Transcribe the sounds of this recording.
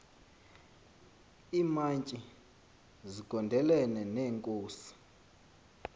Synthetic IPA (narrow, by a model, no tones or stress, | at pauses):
iːmaɲt͡ʃʼi | ziɡ̥ʱɔndʱɛlɛnɛneːŋkʼuːsi̥